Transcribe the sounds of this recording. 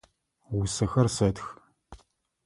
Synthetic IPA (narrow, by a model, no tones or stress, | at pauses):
wʊsɐxɐrsɐtx